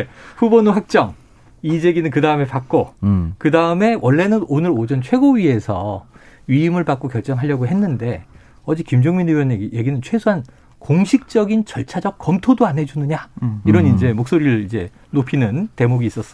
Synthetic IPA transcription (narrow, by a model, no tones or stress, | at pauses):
eɸubonoɦak̚t͡ɕ͈ʌŋ | id͡ʑe̞ɡinɯnkɯdaɯme̞pak͈̚okɯdaɯme̞wʔʌɭːe̞nɯnonɯɾod͡ʑʌnt͡ɕʰwe̞ɡoɥie̞sʰʌɥiimɯɭpak͈okjʌɭt͡ɕ͈ʌŋɦaʎːjʌɡoɦenːɯnde̞ | ʌd͡ʑikimd͡ʑʌŋminewjʌneɡije̞ɡinɯnt͡ɕʰwe̞sʰoɦan | koŋɕʰik̚t͡ɕ͈ʌɡint͡ɕʌɭt͡ɕʰad͡ʑʌk̚k͈ʌmtʰodoanɦe̞d͡ʑunɯɲaiɾʌnind͡ʑe̞mok̚s͈oɾiɾɯɭid͡ʑe̞ | nopʰinɯnte̞moɡiːs͈ʌs͈ʌ̥